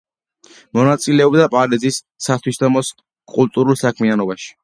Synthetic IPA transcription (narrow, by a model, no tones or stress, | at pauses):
mɔnat̪sʼilɛɔbd̪apʼaɾizisːat̪ʰwisd̪amɔs | kʼulˠt̪ʼuɾulˠsakʰmianɔbaʃi̥